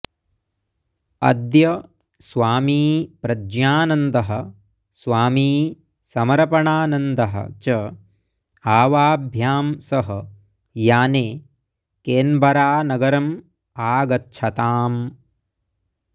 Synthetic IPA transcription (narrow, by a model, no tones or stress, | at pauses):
ɐ̰d̪jɐ | sʋaːmiːpɾɐd͡ʒjaːnɐnd̪ɐɦɐ̆ | sʋaːmiː | sɐmɐɾɐpɐɳaːnɐnd̪ɐɦɐ̰t͡ʃɐ | aːʋaːbʱjaːmsɐɦɐ | jaːneː | keːnbʱɐɾaːnɐɡɐɾɐm | aːɡɐtːʃʰɐt̪aːm